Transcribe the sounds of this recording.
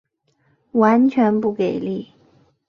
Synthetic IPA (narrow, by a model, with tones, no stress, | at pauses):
wa˧˥nt͡ɕʰɥɛ˧˥npu˥˩ke˨˩ɪli˥˩